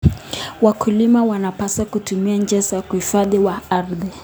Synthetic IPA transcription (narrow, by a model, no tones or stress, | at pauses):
wakʰulimawanapasakutumiand͡ʒɛsakuhifaðiwaaɾðɛ